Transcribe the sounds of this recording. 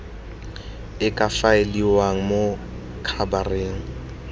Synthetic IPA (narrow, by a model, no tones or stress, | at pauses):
ɪkʼafaɪliwaŋ̩mo | kʰabareːŋ̩